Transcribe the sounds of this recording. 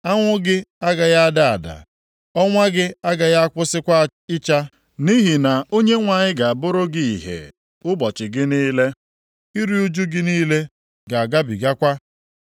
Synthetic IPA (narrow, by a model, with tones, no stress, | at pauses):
a˦ŋʷʊ˦ɡɪ˦a˦ɡa˨ja˦a˦da˨a̰˨da̰˨ | ɔ˦ŋʷa˦ɡɪ˦a˦ɡa˨ja˦a˦kʷʊ˦sɪ˦kʷa˦ | ɪ˦t͡ʃa˦ | ni˦ɦi˨na˨o˦ɲe˦ŋʷa˨ɲɪ˦ɡa˨a˨bʊ˦ɾʊ˦ɡi˦i˨ɦḛ˨ | ʊ˦bɔ˨t͡ʃɪ˨ɡɪ˦niː˦le˦ | i˦ɾi˦u˦d͡ʒu˦ɡɪ˦niː˦le˦ | ɡa˨a˨ɡa˦bi˨ɡa˦kʷa˦